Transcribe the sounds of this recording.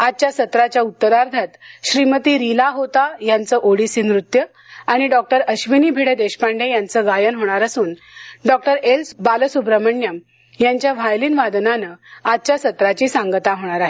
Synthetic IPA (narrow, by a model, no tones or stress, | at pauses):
ad̪̚t͡ɕjasət̪ɾat͡ɕjaut̪ːəɾaɾd̪ʱat̪ɕɾimət̪iːɾilaɦot̪ajant͡səʔoɽisinɾut̪jə | aɽ̃iɖɔk̚ʈəɾəɕʋiniːbʱeɽed̪eɕpaɳɖejant͡səɡajənɦoɽ̃aɾasuːn | ɖɔk̚ʈəɾelsbaləsubɾəməɳjəm | jaɲt͡ɕjaʋajliːnʋad̪nanəad̪̚t͡ɕjasət̪ɾat͡ɕisãŋɡt̪aɦoɽ̃aɾaɦe